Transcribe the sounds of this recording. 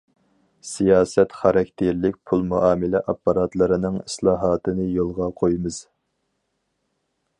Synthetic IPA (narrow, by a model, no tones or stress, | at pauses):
sijɑːsɛt̪χɑɾɑkʲt̪ʰeɾlɪk̚ʲpʰulˠmuʔɑːmɪlɪʔɑpːɑɾɑt̪lˠɨɾɨnɨŋislˠɑːɦɑːt̪ʰɨnɨjolˠʁɑqʰojmɨz̥